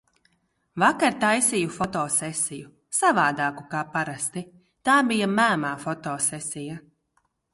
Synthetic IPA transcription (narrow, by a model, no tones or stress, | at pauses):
vakaɾt̪ajsijufɔt̪ɔːsɛsiju | savaːd̪aːkukaːpaɾast̪i | t̪aːbijamæːmaːfɔt̪ɔːsɛsija